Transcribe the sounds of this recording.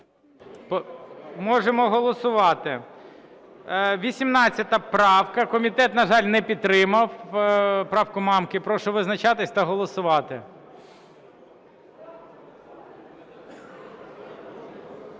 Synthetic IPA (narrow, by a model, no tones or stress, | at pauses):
pmɔʒemɔɦɔlˠɔsʊʋɑt̪ɪ | ʋʲisʲimnɑt͡sʲːɐt̪ɐpɾɑwkɐkɔmʲit̪ɛt̪nɐʒɑlʲnɛpʲid̪̚t̪ːɾɪmɐw | pɾɑwkʊmɑmkɪpɾɔʃɔʋɪznɐt͡ʃɑt̪ɪsʲt̪ɐɦɔlˠɔsʊʋɑt̪ɪ̰